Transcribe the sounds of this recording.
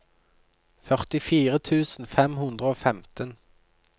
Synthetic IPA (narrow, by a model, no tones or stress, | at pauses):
fœʁt̪ɪfiːʁət̪ʰʉːsn̩fɛmhʉnd̪ʁəoːfɛmt̪ən